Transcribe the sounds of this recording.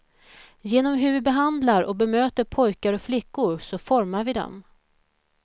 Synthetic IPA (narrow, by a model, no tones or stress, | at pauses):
jeːnɔmɦɵɾvɪbɛɦand̪laɾɔ̰k̚bɛmøːt̪əɾpʰɔjkaɾɔkflɪkːʊɾsɔfɔɾmaɾvɪd̪ɔ̰m